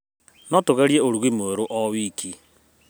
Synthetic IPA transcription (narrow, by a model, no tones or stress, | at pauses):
nɔtoɣaɾieoɾuɣimoeɾoʔɔwikʰi